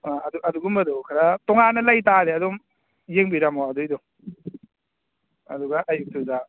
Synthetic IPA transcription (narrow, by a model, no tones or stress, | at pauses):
aɐduʔɐduɡumɐdɔkʰaɾatɔŋanɐlajtaɾeɐdom | jeŋbiɾamawadujdɔ | ɐ̰duɡaʔɐjuk̚tʰuza